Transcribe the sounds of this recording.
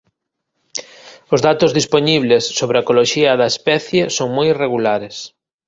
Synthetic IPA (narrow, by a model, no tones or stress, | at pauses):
ʊzðat̪ʊzðisponiβlesːoβɾɪɐkoloʃiɐðɐespɛθjesoŋmojireɣulaɾɪs